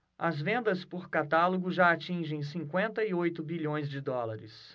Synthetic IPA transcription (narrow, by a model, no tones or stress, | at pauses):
ɐzvẽnd̪ɐspʊɾkat̪aloɡʊʒaat͡ʃĩʒẽj̃sĩkwẽnt̪ɐiojt̪ʊbiʎõj̃zd͡ʒɪd̪ɔlaɾɪ̰s